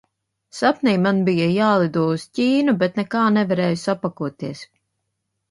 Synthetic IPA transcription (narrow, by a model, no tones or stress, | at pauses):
sapnɛjmanbijajaːlˠid̪uɔuscʲiːnubet̪nɛkaːnɛvaɾɛːjusapakuɔt̪iɛs